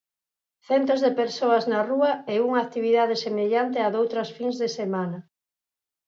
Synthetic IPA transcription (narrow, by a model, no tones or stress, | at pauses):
θɛnt̪ozðepeɾsoaznaruɐeuŋaːkt̪iβiðað̞esemeʎant̪eaðowt̪ɾɐsfiŋzðesemanɐ